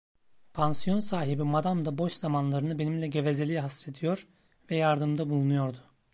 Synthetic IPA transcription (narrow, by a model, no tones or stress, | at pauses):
pʰansijo̞nsaːɦibimad̪amd̪abo̞ʃz̥amanlˠaɾɯnɯbe̞nimlʲɛɟe̞vezelʲijɦasɾe̞d̪ijo̞ɾ | vɛjaɾd̪ɯmd̪abulˠunujo̞ɾd̪ʊ